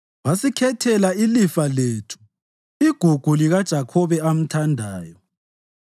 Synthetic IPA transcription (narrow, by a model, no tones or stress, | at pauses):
wasikʰɛtʰɛlailifaletʰu̥ | iɡ̥ʱuɡ̥ʱuliɣad̥ʒ̥ʱakʰɔβɛam̩tʰandʱaːjɔ